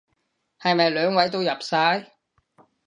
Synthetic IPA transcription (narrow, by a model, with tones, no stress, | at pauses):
hɐ˨jmɐ˨jlœː˨˥ŋwɐ˨˥jt̪o˥wjɐ˨p̚saː˥j